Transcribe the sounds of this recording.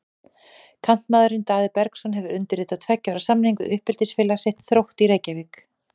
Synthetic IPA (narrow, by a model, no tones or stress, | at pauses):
kʰan̥t̪maːðʏɾɪnt̪aːðɪpɛɾksɔnɦɛvʏʏnt̪ɪɾɪːt̪aðt̪ʰvɛcːaɾasamniŋkʏðʔʏhpɛlt̪ɪsfɪːlaseht̪θɾowht̪iɾeːjcavɪk